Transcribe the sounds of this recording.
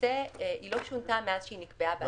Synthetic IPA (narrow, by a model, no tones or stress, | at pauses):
eʔiloʃunt̪ameaz̥ʃeinikbeab